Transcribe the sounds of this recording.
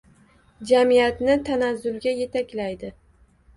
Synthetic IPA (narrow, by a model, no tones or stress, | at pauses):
d͡ʒamijat̪nɪt̪ʰanazʊlɡʲaje̞t̪ʰakʲlajd̪ɪ